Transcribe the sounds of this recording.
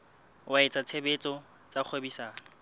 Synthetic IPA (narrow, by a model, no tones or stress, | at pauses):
waɪt͡sʼat͡sʰebet͡sʼɔ | t͡sak͡xʰobisaːŋɔ